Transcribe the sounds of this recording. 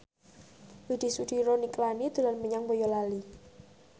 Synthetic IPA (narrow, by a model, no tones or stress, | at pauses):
wid̪̥i̤suɖ̥iɾoniklanid̪̥ṳlanməɲaŋbojɔlali